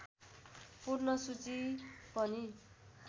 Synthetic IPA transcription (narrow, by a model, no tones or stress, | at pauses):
purnʌsut͡sipʌni